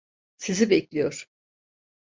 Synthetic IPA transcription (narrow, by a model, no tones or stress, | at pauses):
sizibɛclʲijoɾ̥